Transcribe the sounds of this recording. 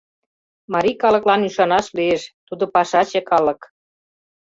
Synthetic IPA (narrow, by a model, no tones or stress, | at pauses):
mɑɾʲikɑlɤ̆klɑnyʃɑnɑʃlieʃt̪ud̪opɑʃɑt͡ɕĕkɑlɤ̆k